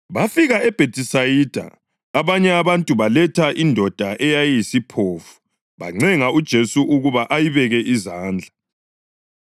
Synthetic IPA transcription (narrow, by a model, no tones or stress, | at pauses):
βafiɣaɛb̥ʱetʼisajid̥ʱa̰ | aβaɲɛaβantʼuβalɛtʰaʔindʱɔd̥ʱaʔɛjajisipʰoːfu̥ | βa̰ŋ͡ǀɛŋaud̥ʒ̥ʱesuʔuɣuβaʔajiβɛɣɛʔizaːnd͡ɮʱa